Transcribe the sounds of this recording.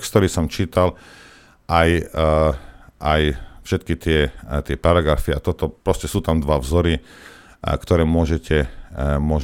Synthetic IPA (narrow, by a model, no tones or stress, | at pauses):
kst̪ɔɾiːsɔmt͡ʃiːt̪al | ʔaj | ʔajfʃɛt̪kit̪ɪɛt̪ɪɛpaɾaɡɾafiat̪ɔt̪ɔpɾɔscɛsuːt̪amd̪ʋavzɔɾi | kt̪ɔɾɛːmʊɔʒɛcʰɛmʊɔʒ